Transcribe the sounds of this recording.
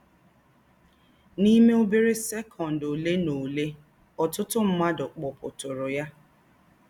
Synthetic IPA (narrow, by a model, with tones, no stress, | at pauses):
ni˦me˦o˦be˦ɾe˦sɛ˦kʰɔ˨n̩˨do˨le˦no˨le˦ | ɔ˨tʊ˦tʊ˦m̩˦ma˦dʊ˨k͡pɔ˨pʊ˨tʊ˨ɾʊ˨ja˦